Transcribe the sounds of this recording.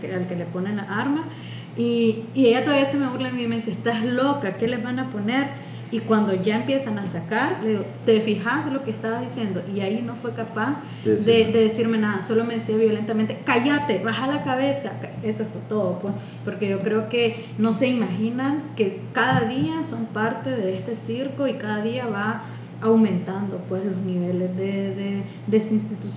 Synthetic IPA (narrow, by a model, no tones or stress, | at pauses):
kealke̞lepo̞nenlaʔaɾma | iːe̞ʝat̪oβjesemeβuɾlamiime̞ðis̬eest̪azlo̞kake̞le̞zβanapo̞ne̞ɾ | ikwand̪o̞ʝae̞mpje̞sanasakaɾleðiɡot̪e̞fixaselo̞keːst̪aβaðisje̞nd̪o̞ʔiaino̞fwe̞kapas | d̪ed̪e̞ðesiɾme̞naðaso̞lo̞me̞ðesiaβjole̞nt̪ament̪e̞kaʝat̪e̞βaxalakaβe̞sake̞soesfot̪o̞ðopo | po̞ɾke̞ʝo̞kɾe̞oke̞ | no̞se̞imaxinaŋke̞ | kaðaðiaso̞mpaɾt̪e̞ðe̞est̪e̞siɾkoikaðaðiaβa | awmẽ̞nt̪and̪opwe̞slo̞zniβe̞lezðeðe | d̪esinst̪it̪us